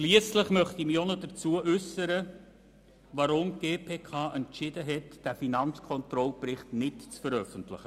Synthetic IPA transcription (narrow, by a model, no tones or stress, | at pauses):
ʃliəsləχmœχtimionɔdəɾt͡suəʔʉsəɾə | ʋɑɾʊmɡ̥eːpʰeːkʰɑːʔɛntt͡ʃɪdəɦɛtd̥æfinɑnt͡skʰɔnt̪ɾɔlprɪχtnɪtt͡sfəɾœfəntlɪχə